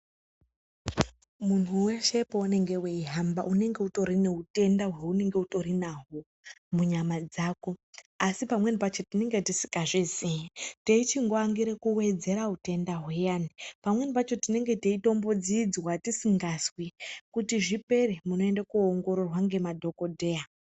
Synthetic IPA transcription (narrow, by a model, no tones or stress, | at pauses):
mun̤uwe̞ʃe̞poune̞ŋɡe̞weiɦambaʔune̞ŋɡe̞uto̞ɾine̞ute̞ndaɦwe̞une̞ŋɡe̞uto̞ɾinaɦo | muɲamad͡zaːko̞asipamwe̞nipat͡ʃo̞tine̞ŋɡe̞tisi̥kaʐiziiteit͡ʃiŋɡoaŋɡiɾekuwe̞d͡ze̞ɾaute̞ndaɦwejanipamwe̞nipat͡ʃo̞tine̞ŋɡe̞teito̞mbod͡zid͡zwatisiŋɡaswikutiʐipe̞rimuno̞e̞ndakuoŋɡo̞ɾo̞rwaŋɡe̞madʱo̞ko̞dʱe̞a